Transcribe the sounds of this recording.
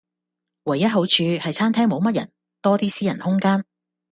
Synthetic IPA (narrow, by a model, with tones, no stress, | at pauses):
wɐ˨˩jːɐ˥t̚ɦo˨˥wt͡ʃʰyː˧hɐ˨jt͡sʰaː˥nt̪ʰɛː˥ŋmo˨˧wmɐ˥t̚jɐ̰˨˩n | t̪ɔː˥t̪iː˥siː˥jɐ˨˩nhʊ˥ŋkaː˥n